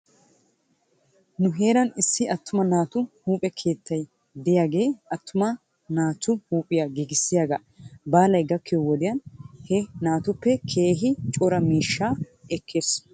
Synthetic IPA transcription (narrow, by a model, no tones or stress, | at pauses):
nʊɦe̞ːɾɐnɪsːɪɐt̪ʰːʊmɐnaːt̪ʊhuːpʼɛkʰe̞ːt̪ːɐj | d̪ɪjaːɡe̞ːɐt̪ːʊmɐ | naːt̪ʊhuːpʼːɪjaɡiɡɪsːɪjaːɡɐ | baːlɐjɡɐkːɪjɔwɔd̪ɪjɐnhɛnaːt̪ʊpːɛkʰe̞ːɦɪt͡ʃʼɔɾɐmiːʃːaː | ɛkʰːeːs